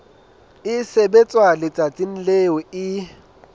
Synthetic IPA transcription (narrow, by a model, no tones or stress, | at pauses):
ɪsebet͡sʼwalɪt͡sʼat͡sʼin̩leɔɪ